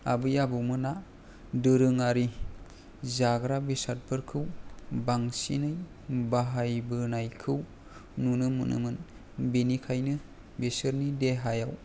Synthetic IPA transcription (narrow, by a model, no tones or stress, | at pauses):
a̰bɯjabɯwmɯna | dɯɾɯŋaɾi | zaɡɾabesat̚pʰɯɾkʰɯwbaŋsḭnɯj | baɦajbɯnajkʰɯw | nunɯmɯ̰nʔɯ̰mɯn | benikʰajnɯ | besɯɾnideɦajaw